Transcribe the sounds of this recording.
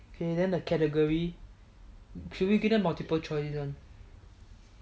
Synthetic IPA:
okʰedɛ̃nəkʰɛtəɡəɹi | kʰuwiɡɛtɛt̚maltipəlt͡ʃɔɪsisɔ̃n

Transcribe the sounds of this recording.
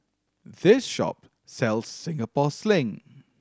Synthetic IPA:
ðɪsʃɔ̰p | sɛlˠz̥sɪ̃ŋəpɔslɪ̃ŋ

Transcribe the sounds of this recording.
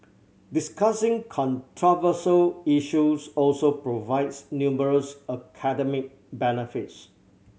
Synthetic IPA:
diskasɪ̃ŋkʰɔ̃ntʰɹɔvəsəliʃusɔlsopɹovaɪdsnjuməɹəsəkʰadɛmɪk̚ | bɛnifits

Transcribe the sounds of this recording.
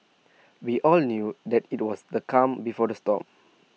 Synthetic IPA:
wiʔɔlnjudɛtit̚wɔsdəkʰãmbifɔdəstɔ̰p̚

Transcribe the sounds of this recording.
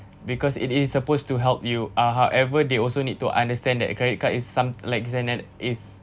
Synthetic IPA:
bikɔsḭtɪsːəpostuɦɛlp̚juaɦawʔɛvədeɔlsonid̚tuʔã̰ndəstɛ̃ndɛ̰t̚kɹɛdit̚kaʔisːãmlaɪks̬ɛ̃ndɛtʔis

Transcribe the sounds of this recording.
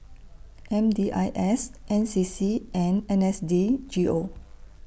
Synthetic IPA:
ʔɛ̃mdiʔa̰jʔɛsʔɛ̃nsisiʔɛ̃nɛ̃nɛsdid͡ʒiʔo

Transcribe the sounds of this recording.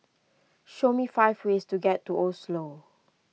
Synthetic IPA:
ʃomifaɪvwestuɡɛtːuʔɔslo

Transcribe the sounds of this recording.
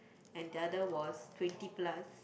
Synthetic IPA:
ɛ̃ndiadəwɔstwɛ̃ntiplas

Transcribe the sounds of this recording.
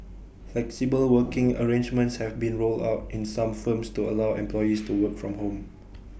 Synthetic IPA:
flɛksibəlwəkɪ̃ŋə̰ɹẽnd͡ʒmə̃ntshɛvbĩnɹolda̰ʊtɪ̃nsãmfə̃mstuəlawɛ̰̃mplɔjistuwəkfɹɔ̃mhõm

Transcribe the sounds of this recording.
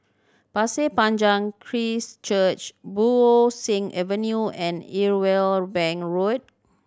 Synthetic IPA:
pasepãnd͡ʒãŋkʰɹist͡ʃət͡ʃbuosĩŋʔɛvə̃njuɛ̃niɹwelbɛ̃ŋɹot̚

